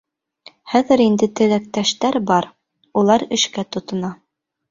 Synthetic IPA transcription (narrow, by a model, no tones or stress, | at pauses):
χæðɘ̆ɾind̪ɘt̪ɘ̆læk̚t̪æʃt̪æɾbɑɾ | ulˠɑɾɘ̆ʃkæt̪ŏt̪ŏnɑ